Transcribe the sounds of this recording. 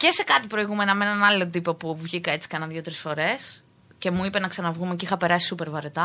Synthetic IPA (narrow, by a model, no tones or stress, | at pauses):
ce̞se̞kɐt̪ipɾo̞iɣume̞noɐmenɐnɐlio̞t̪ipo̞puvʝikɐe̞t͡si̥kɐnɐðʝjo̞t̪ɾisfo̞ɾe̞s | ce̞muipe̞nɐksɐnɐvɣumecixɐpe̞ɾɐsi̥supe̞ɾvɐɾet̪ɐ